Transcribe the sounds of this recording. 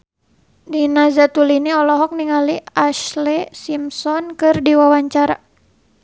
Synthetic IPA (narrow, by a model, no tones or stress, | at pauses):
dinazat̪uliniɔlɔɦɔk̚niŋaliaʃlɛsimsɔnkɨrdiwawaɲt͡ʃaɾa